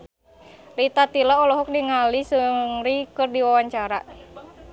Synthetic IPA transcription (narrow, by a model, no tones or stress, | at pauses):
lit̪at̪ilaɔlɔɦɔk̚niŋalisɨŋrikɨrdiwawaɲt͡ʃaɾa